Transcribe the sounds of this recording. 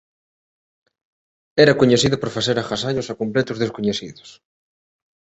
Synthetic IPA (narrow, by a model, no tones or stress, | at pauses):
ɛɾakoɲeθiðʊpoɾfaθeɾaxasaʎʊsakomplɛt̪ʊzðeskoɲeθiðʊs